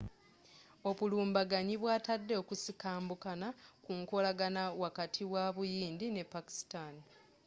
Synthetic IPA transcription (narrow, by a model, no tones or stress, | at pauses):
o̞βuluːmbaɡaɲiβwaːtadːe̞okusikaːmbukanakuŋko̞laɡanawakatʰiwaβujiːndine̞pːaki̥stani